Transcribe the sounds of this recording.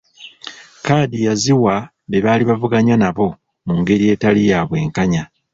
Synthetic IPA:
kaːdijaziwa | βe̞βaːliβavuɡaɲanaβo̞ | muŋɡe̞ɾije̞ːtalijaːβwe̞ːŋkaɲa

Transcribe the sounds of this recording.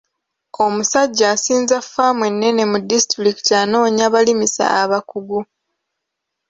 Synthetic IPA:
o̞musaɟːaːsiːnzafamwe̞nːe̞ne̞mudistɾiki̥taːno̞ːɲaβalimisa̰aβakuɡu

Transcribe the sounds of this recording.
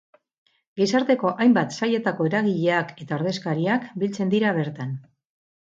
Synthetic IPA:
ɡisaɾt̪e̞ko̞ʔajmbat̪saje̞t̪ako̞eɾaɣiʎe̞ake̞t̪aoɾðe̞skaɾiakbilt͡se̞nd̪iɾaβ̞e̞ɾt̪an

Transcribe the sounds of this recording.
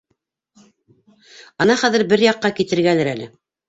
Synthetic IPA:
ɤnɑχæðɘ̆ɾbɘɾjɑqːɑkit̪ɘ̆ɾɡælɘɾælɘ

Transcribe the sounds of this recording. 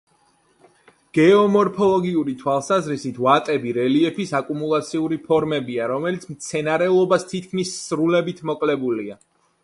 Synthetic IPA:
ɡ̥ɛɔmɔɾpʰɔlˠɔɡiuɾit̪ʰwalˠsazɾisit̪ʰvat̪ʼɛbiɾɛliɛpʰisakʼumulˠat̪sʰiuɾipʰɔɾmɛbiaɾɔmɛlit̪sʰmt̪sʰɛnaɾɛlˠɔbast̪ʰit̪̚ʰkʰmisːɾulɛbit̪ʰmɔkʼlɛbulia

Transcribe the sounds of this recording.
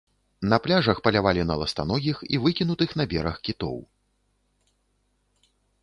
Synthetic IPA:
nɐplʲaʐɐxpɐlʲavalʲinɐlˠɐst̪a̰nɔɣʲixḭvɨkʲinut̪ɨxn̪ɐbʲɛɾɐxkʲit̪ɔ̰w

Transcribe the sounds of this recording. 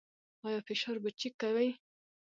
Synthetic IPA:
ɑjɑfɪʃɑɾbət͡ʃikːawaj

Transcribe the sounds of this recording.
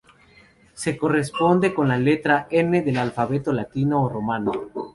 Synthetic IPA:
se̞ko̞respo̞nd̪e̞ko̞nlale̞t̪ɾaeneðelalfaβe̞t̪olat̪inoːromano

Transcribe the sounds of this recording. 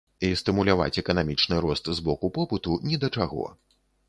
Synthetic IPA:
ist̪ɨmulʲava̰t͡sʲɛkɐnamʲit͡ʂnɨɾɔst̪zbɔkupɔpɨt̪unʲid̪ɐt͡ʂaɣɔ̰

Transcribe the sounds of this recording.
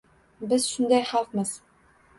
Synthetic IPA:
bɘzʃund̪ɑjχɑlˠqmɤz

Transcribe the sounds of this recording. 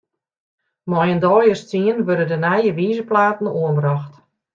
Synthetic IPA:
mɔjəndɔːjəst͡siənʋødədənajəʋiːzəplaːtn̩uənbrɔxt

